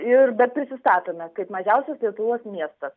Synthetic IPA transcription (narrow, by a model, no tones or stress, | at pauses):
ɪrbʲɛt̪̚pʲɾʲɪsʲɪst̪ɑːt̪ʲɪnɐkɐɪpmɐʒʲɛʊsʲɛslʲiɛt̪ʊʋoːsmʲiɛst̪ɐs